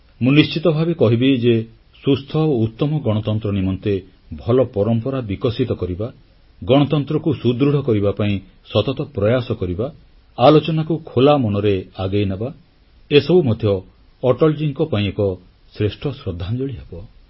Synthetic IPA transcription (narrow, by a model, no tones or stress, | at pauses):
mũnist͡ʃit̪ɔbʱabekɔɦibid͡ʒe | sust̪ʰɔout̪ːɔmɔɡɔɽ̃ɔt̪ɔnt̪ɾɔnimɔnt̪e | bʱɔlɔpɔɾɔmpɔɾabikɔsit̪ɔkɔɾiba | ɡɔɽ̃ɔt̪ɔnt̪ɾɔkusud̪ɾuɽ̤ɔkɔɾibapaĩ | sɔt̪ɔt̪ɔpɾɔjasɔkɔɾibaː | lot͡ʃɔnakukʰolamɔnɔɾeaɡejnaba | esɔbumɔd̪ʱjɔː | ʈɔld͡ʒiŋkɔpaĩekɔ | sɾesʈʰɔsɾɔd̪ʱːand͡ʒɔɭiɦabɔ